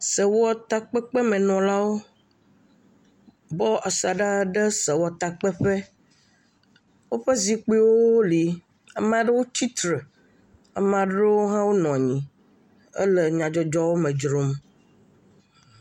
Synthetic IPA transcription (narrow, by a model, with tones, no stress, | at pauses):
sə˨wt̪a˦k͡pɛ˦k͡pɛ˦mɛ̃˨nɔ̃˨la˦wo˦ | bɔ˦ʔa˨sa˨ɖa˦ɖə˦sə˨wɔ˦t̪a˨k͡pɛ˦ɸɛ˦ | wo˦ɸe˦zi˨k͡pi˦wo˦wwli˨ | a˦mã˨ɖə˦wo˦t͡ɕi˦t̪ɾə˨ | a̰˨mã˨ɖə˦wo˦ɦã˦wo˦nɔ̃˨ɲĩ˨ | ə̰˦lə˨ɲã˨d͡ʒɔ˦d͡ʒɔ˦wo˦mẽ˨d͡ʒɾo˦m